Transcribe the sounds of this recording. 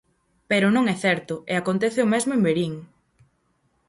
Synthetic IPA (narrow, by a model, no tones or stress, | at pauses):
peɾʊnõŋɛθɛɾt̪ʊeakont̪ɛθɪomɛzmʊembeɾiŋ